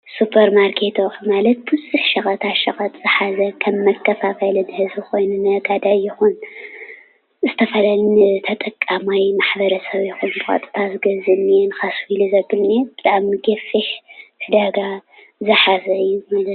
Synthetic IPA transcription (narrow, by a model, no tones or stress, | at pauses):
supʰɐɾmaɾkʰet̪ʰoʔmalɐt̪̚bɨzuħʃɐxʼɐt̪ʰaʃɐxʼɐt̪ʼz̥ɨħazɐkʰɐmːɐkʰːɐfakɐlɨnhɨzbɨxo̞jnunɨɡad̪ajɪxun | zɨt̪ʰɐfɐlɐlnɨt̪ʰɐt̪ʼɐkʼːamajmaħbɐɾɐsɐβjɪxunbɨxʼɐ̰t̪ʼɨ̥t̪ʰazɨɡɐzɨnenɨxaswilizɐbɨlneb̥ɨt̪ʼaʕmɡɐfiħt̪ʰɨd̪aɡa | zɨħazɐɨjːumalɐt̪